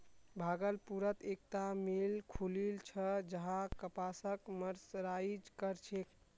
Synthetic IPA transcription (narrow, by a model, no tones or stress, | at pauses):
bʱaɡəlpuɾət̪ek̚t̪amilkʰulilt͡ʃʰəd͡ʒəɦãkəpasəkməɾsɾaid͡ʒkəɾt͡ʃʰek